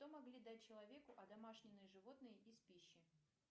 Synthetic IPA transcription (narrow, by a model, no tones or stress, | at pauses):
t̪omɐɡlʲid̪at̚ʲt͡ɕːɪlˠɐvʲe̞kʊʔɐd̪ɐmaʂnʲɪnːɨjəʐɨvo̞t̪nɨjəʔispʲiɕːɪ